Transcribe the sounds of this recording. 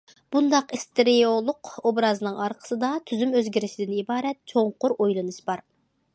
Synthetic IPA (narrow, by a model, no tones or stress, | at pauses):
b̥und̪ɑqist̪eɾijolˠʊqobɾɑzɨnɨŋɑɾqʰə̥sɨd̪ɑt̪ʰyzymøzɡʲiɾɪʃid̪ɪnibɑːɾɛt̪̚t͡ʃʰoŋqʊɾojlˠɨnɨʃbɑɾ